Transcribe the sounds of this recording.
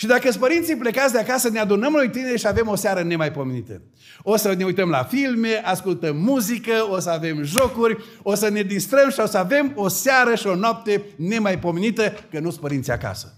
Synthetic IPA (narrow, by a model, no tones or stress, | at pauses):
ʃid̪akəs̬pəɾint̪sijple̞kat̪d̪eakasənead̪unəmlojt̪ine̞ɾʃiave̞mo̞saɾəne̞majpo̞menit̪ə̰ | o̞səne̞ujt̪əmla̰filme̞ʔaskult̪əmːuzikəos̬əave̞mʒo̞kurʲ | osəne̞d̪ist̪ɾəmʃiosəave̞mo̞saɾəʃio̞noap̚t̪e̞ne̞majpo̞menit̪əkənuspəɾint̪sija̰ka̰sə̥